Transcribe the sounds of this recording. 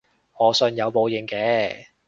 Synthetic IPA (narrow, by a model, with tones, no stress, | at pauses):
ɔː˨˧sɵ˨˧njɐ˨˧wpo˨˧wjɪ˨˩ŋkɛː˨˧